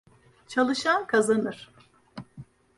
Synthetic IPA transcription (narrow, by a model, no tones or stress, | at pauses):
t͡ʃʰalˠɯʃankʰazanɯɾ̥